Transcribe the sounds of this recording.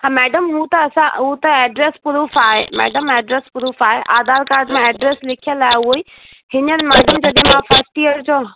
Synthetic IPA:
ɦãmɛːɖəmɦũt̪ɐɐsãɦut̪ɐɛːɖɾeːspʊɾufaːɦḛmɛ̰ːɖəmɛːɖɾeːspʊɾuːfaːɦeʔaːd̪ʱaːɾkaːɾɖmẽɛːɖɾeːslɪkʰijə̃laːeʊɦoːi | hɪnənmɛːɖəmd͡ʑɐɗɦẽmãfʰəɾsʈijəɾd͡ʑoː

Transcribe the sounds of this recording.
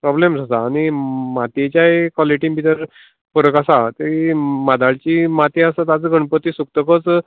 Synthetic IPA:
pɾɔblemd͡zasaːɽ̃ñimat̪it͡ɕjaekɔleʈĩmbʱit̪əɾ | pəɾəkasat̪emad̪aɭt͡ɕimat̪iasat̪at͡səɡʱəɳpət̪isuk̚t̪əkət͡s

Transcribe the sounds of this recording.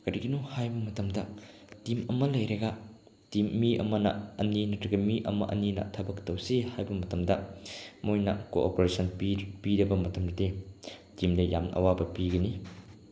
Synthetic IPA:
kɐɾiɡinuhajbɐmɐtɐmdɐtimɐmɐlɐjɾeɡɐ | timːiʔɐ̰mɐnɐ̰ɐninɐtɾɐɡɐmiʔɐ̰mɐ̰ʔɐ̰ninɐ̰tʰɐbɐktɐwsihajbɐmɐtɐmdɐmojnɐ̰ko̰ʔo̰poɾesʰɐnppiɾɐbɐmɐtɐmdɐdetimdɐja̰mʔɐ̰wabɐpiɡɐni

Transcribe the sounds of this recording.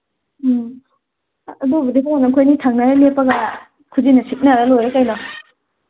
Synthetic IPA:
babɐdipʰɔnakʰojnitʰaŋnaɾilepːɐɡa | kʰuzinɐsip̚naɾalojɾekajnɔ

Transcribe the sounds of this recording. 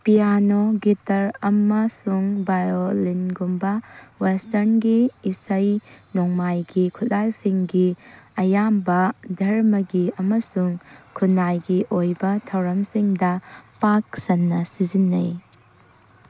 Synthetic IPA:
pijanoɡitɐɾɐmɐsuŋbajolinɡumbɐwestɐɾnɡiːsɐjnɔŋmajɡikʰutlalsiŋɡiɐjambɐdʱɐɾmɐɡiɐmɐsuŋkʰunajɡiʔojbɐtʰɐwɾɐmsiŋdɐpak̚sɐnːɐsizinːɐ̰j

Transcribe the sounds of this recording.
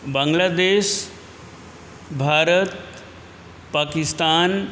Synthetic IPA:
baŋɡlaːd̪eːʃ | bʱaːɾət̪ | paːkist̪aːn

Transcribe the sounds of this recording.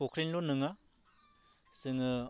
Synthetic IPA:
okʰɾinlonɯŋa | sɯŋɯ

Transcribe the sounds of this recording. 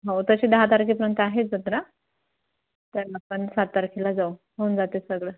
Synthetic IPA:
ɦawt̪əɕiːd̪əɦat̪aɾkʰipəɾənt̪əaɦed͡zəd̪ɾa | t̪əɾapəɳsat̪ːaɾkʰilad͡zau | ɦound͡zat̪esəɡɭə

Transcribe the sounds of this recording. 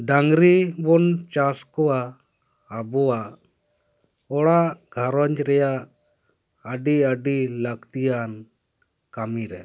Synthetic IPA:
ɖaŋɾibɔnt͡ʃaskɔwaː | bɔwa | ɔɽaɡʱaɾɔɲd͡ʒɾɛja | əɖiəɖilakt̪ijan | kamiɾɛ̰

